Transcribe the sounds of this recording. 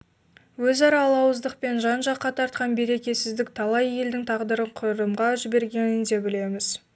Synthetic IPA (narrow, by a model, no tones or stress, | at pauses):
wɵzɑɾɑlˠɑwəzd̪əq̚pe̞nʒɑnʒɑqːɑt̪ʰɑɾt̪̚qɑnbe̞ɾe̞kʲe̞sɪzd̪ɪk̚t̪ʰɑlˠɑje̞ld̪ɪŋt̪ʰɑʁd̪əɾəɴqʰʊɾɾəmʁɑʒɪbe̞ɾɡʲe̞nɪnd̪e̞bɪle̞mɪz̥